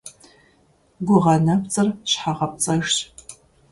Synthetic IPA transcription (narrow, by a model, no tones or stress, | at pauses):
ɡʷʊʁɐnɐpt͡sʼɨrɕħaʁɐp̚t͡sʼɐʒ